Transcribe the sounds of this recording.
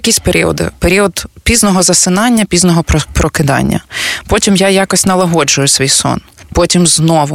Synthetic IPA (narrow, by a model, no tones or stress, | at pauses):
ɐkʲisʲpeɾʲiɔ̰d̪ɪ̰peɾʲiɔd̪pʲiznɔɦɔzɐsɪnɑnʲːɐpʲiznɔɦɔpɾɔkɪd̪ɑ̰nʲːɐ̰pɔtʲimjajɑkɔsʲtʲnɐlˠɐɦɔd͡ʒʊjʊsʲʋʲijsɔ̰npɔtʲimznɔʋʊ